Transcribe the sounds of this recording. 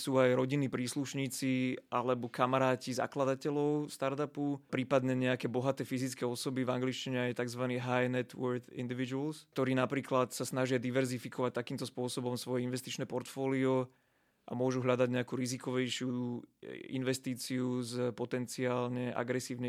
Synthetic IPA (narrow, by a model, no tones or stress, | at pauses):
suːajɾɔɟinːiːpɾiːsluʃɲiːt͡siʔalɛbɔkamaɾaːciza̰klad̪acɛʎɔʊst̪aɾt̪apupɾiːpad̪ɲɛɲɛakɛːbɔɦat̪ɛːfizit͡skɛːɔsɔbivaŋɡliʃciɲɛajt̪aɡzʋaniːɦajnɛt̪ʋɔɾt̪ḭnd̪iʋid͡ʒulst̪ɔɾiːnapɾiːklat̪sasnaʒɪad̪iʋɛɾzifikɔʋac̚t̪akiːmt̪ɔspʊɔsɔbɔmsʋɔjɛinʋɛst̪it͡ʃnɛːpɔɾt̪fɔːliɔ | ʔa̰mʊɔʒuɦʎad̪aɟɲɛakuːɾizikɔʋɛjʃɪu | ḭnʋɛst̪iːt͡siuzpɔt̪ɛnt͡siaːlɲɛʔa̰ɡɾɛsiːʊɲɛ